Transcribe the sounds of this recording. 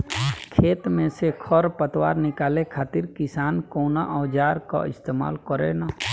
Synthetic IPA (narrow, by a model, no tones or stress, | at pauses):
kʰeːt̪mẽsekʰɔɾpət̪waːɾnɪkaːlekʰaːt̪ɪɾkɪsaːnkoːnaʔɔːd͡ʒaːɾka̰ɪst̪eːma̰ːlkɔɾḛna